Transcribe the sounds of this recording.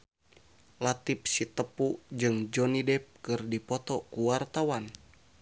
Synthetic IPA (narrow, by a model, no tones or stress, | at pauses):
lat̪ip̚sit̪əpud͡ʒɨŋd͡ʒɔnidɛp̚kɨrdipɔt̪ɔkuwart̪awan